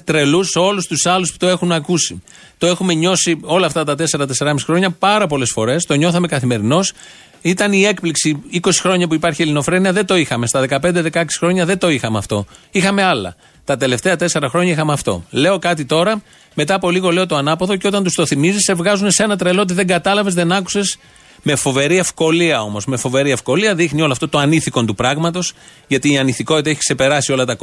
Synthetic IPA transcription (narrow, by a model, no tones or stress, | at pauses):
t̪ɾe̞lusolust̪usɐluspu̥t̪o̞e̞xunɐkusi | t̪o̞e̞xume̞ɲo̞sio̞lɐːft̪ɐt̪ɐt̪e̞se̞ɾɐt̪e̞se̞ɾɐmisixɾoɲɐpɐɾɐpo̞le̞sfo̞ɾe̞st̪o̞ɲo̞θɐme̞kɐθime̞ɾino̞s | it̪ɐnie̞kpliksiiko̞si̥xɾo̞ɲɐpuipɐɾçielino̞fɾe̞niɐðe̞t̪o̞ixɐme̞st̪ɐðe̞kɐpe̞nd̪e̞ðe̞kɐeksi̥xɾo̞ɲɐðet̪o̞ixɐmeɐ̰ft̪o̞̰ixɐme̞ɐlɐ̰ | t̪ɐt̪e̞le̞ft̪e̞ɐt̪e̞se̞ɾɐxɾo̞ɲɐixɐmeɐft̪o̞̰le̞o̞kɐt̪̬it̪o̞ɾɐ | me̞t̪ɐːpo̞liɣo̞le̞o̞t̪o̞ɐnɐpoðo̞ceo̞t̪ɐnt̪ust̪o̞θimizise̞vɣɐzune̞se̞nɐt̪ɾelo̞t̪̬iðe̞ŋɡɐt̪ɐlɐve̞zðe̞nɐku̥se̞s | me̞fo̞ve̞ɾie̞fko̞liɐo̞mo̞zme̞fo̞ve̞ɾie̞fko̞liɐðixnioloɐft̪ot̪oɐniθiko̞nt̪upɾɐɣmɐt̪o̞s | ʝɐt̪iːɐniθiko̞t̪it̪ɐeçi̥kse̞pe̞ɾɐsio̞lɐt̪ɐk